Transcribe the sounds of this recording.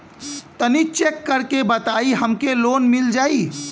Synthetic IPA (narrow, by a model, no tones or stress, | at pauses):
t̪ənit͡ʃekːəɾkebət̪aːiɦəmkeloːnmɪld͡ʒaːi